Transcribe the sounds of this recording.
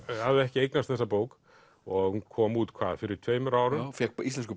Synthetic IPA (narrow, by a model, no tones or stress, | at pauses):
havðɪɛhcɪejknast̪θɛsapoːwk | ɔɣhunkʰɔːmuːt̪kʰvaːðfɪɾɪɾ̥t̪ʰv̥eːjmʏɾaːwɾʏnfjɛkpist̪lɛns̬kʏ